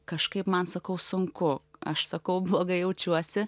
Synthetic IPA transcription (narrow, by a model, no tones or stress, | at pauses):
kɐʃkɐɪpmɐnsɐkɐʊsʊŋkʊɐ̰ʃsɐkɐʊblˠoːɡɐɪjɛʊt͡ʃʲuɔsʲɪ